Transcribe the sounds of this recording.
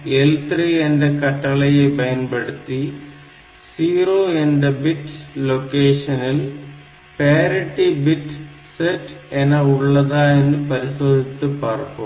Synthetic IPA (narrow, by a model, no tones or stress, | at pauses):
elt̪riendekɐʈːɐɭɐjebɐjɐnbeɽut̪ːi | siːroːendebitːlokːeːʂɐnil | peːɾɐʈːibitː | setːenɐuɭːɐðaenːɨpɐɾisoːd̪ʱit̪ːɨpɐːrpo